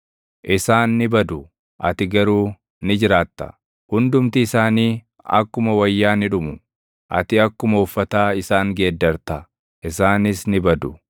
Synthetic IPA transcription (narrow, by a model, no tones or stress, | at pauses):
ʔɪsaːnːɪbɐd̪ʊ | ʔɐ̰t̪ɪɡɐɾuː | nɪd͡ʒɪɾaːt̪ːɐ̥̰ | hʊnd̪ʊmt̪ɪːsaːniː | ɐ̰kːʊmɐwɐjːaːnɪᶑʊmʊ | ʔɐ̰t̪ɪɐkːʊmɐʊfːɐt̪aːɪsaːŋɡe̞ːd̪ːɐɾt̪ɐ | ʔɪsaːnɪsnɪbɐd̪ʊ